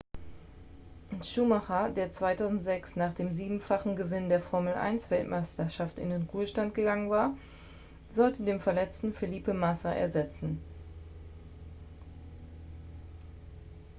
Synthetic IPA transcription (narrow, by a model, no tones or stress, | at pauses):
ʔʊntʃuːmaχɐdeːɐt͡sv̥aɪtʰaʊzn̩tz̥ɛksnaːχd̥eːmziːbm̩faχn̩ɡəvɪnndeːɐfɔɐml̩ʔa̰ɪnsv̥ɛltmaɪstɐʃaftɪ̰ndeːnʁuːəʃtantɡ̥əɡaŋənvaːɐ | zɔltədeːmfɛɐlɛt͡stn̩feliːpəmasaʔɛ̰ɐzɛt͡sn̩